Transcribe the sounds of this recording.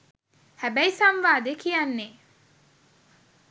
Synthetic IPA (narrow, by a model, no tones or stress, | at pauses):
hæbæisamʋaːd̪ekijanːe